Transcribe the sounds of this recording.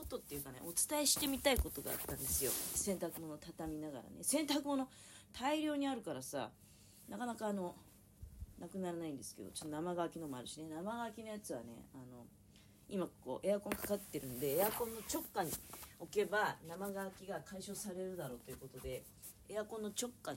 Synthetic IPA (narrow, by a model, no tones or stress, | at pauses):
sot̪ːo̞t̪ːe̞jɯ̟ːkane̞̰ʔo̞t͡sɨ̥t̪aeɕi̥t̪e̞mʲit̪aiko̞t̪o̞ɡa̰a̰t̪ːãnd̪e̞sɨjo̞̰sẽ̞nt̪akɯ̟mo̞no̞t̪at̪amʲinaɡa̰ɾa̰ne̞̰sẽ̞nt̪akɯ̟mo̞no̞ | t̪ʰaiɾʲo̞ːɲ̟iaɾɯ̟kaɾasa̰ | nakanakaːno̞ | nakɯ̟naɾanaĩnd̪e̞sɨ̥ke̞d̪o̞̰t͡ɕo̞t̪ːonamaɡaβakʲino̞maɾɯ̟ɕine̞namaɡakʲinojat͡sɨβa̰ne̞̰ano̞̰ | imako̞̰ːʔe̞jakõ̞ŋkʰḁkat̪ːe̞ɾɯ̟̃nod̪e̞ːjakõ̞nːo̞t͡ɕo̞kːaɲ̟io̞ke̞banamaɡaːkʲiɡakʰaiɕo̞ːsaɾe̞ɾɯ̟d̪aɾo̞ːt̪o̞jiɯ̟ko̞t̪o̞d̪e̞ː | jakõnːo̞t͡ɕo̞kːa